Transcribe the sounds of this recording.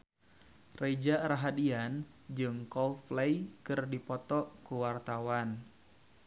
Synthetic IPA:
red͡ʒaɾaɦadian | d͡ʒɨŋkɔlfplejkɨrdipɔt̪ɔkuwart̪awan

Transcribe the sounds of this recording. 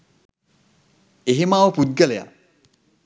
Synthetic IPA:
eɦemaːʋəpud̪̚ɡəleja̰

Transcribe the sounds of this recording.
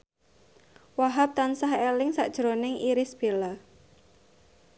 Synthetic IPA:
waɦap̚t̪ansahelɪŋsaʔd̥ʒ̥ɾonɪŋʔiɾɪsb̥ela

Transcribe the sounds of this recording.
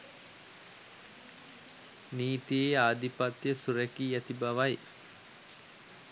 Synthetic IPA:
niːt̪ieːaːd̪ipat̪jəsuɾɛkiːæt̪ibaʋaj

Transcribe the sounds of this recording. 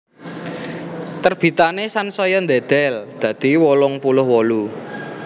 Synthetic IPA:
t̪ərb̥it̪anesansɔjɔnd̪ɛd̪̥ɛ̤ld̪̥ä̤d̪̥i̤wɔlɔŋpulʊhwɔlu

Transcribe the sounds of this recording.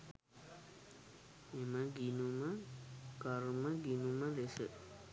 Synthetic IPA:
eməɡinuməɡaɾməɡinuməlesə̰

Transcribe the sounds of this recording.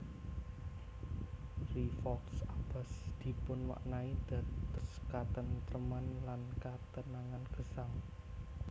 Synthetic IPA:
rifɔksab̥a̤sd̪̥i̤pʊnwa̰ʔnaid̪̥a̤t̪ɔskat̪ənt̪ɾəmanlankat̪ənaŋanɡ̥ə̤saŋ

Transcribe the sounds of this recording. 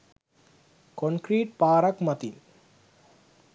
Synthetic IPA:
konkɾiːʈpaːɾɐkmɐt̪in

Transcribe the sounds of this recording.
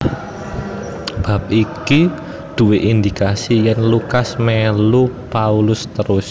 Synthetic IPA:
b̥a̤p̚iki | d̪̥ṳweʔind̪ikasijɛnlukasmɛlupaulʊst̪əɾʊs

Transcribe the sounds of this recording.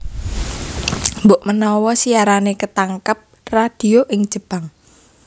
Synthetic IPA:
mboʔmənɔwɔsiaɾanekət̪aŋkəp̚ | rad̪̥i̤oʔɪŋ̥ʒ̥ə̤b̥aŋ

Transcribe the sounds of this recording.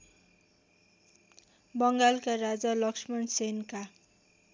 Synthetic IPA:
bʌŋɡalkarad͡zalʌksmʌnsenka

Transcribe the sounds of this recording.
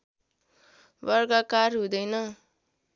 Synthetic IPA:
bʌrɡakarɦũd̪ʌjnʌ

